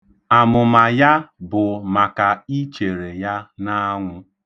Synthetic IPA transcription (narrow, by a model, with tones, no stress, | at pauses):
a˨mʊ˨ma˨ja˦bʊ˨ma˨ka˨i˦t͡ʃe˨ɾe˨ja˦na˦ŋʷʊ˦